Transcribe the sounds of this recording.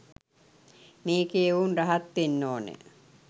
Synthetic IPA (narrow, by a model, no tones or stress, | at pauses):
meːkeːuːnraɦat̪ːinːoːnḛ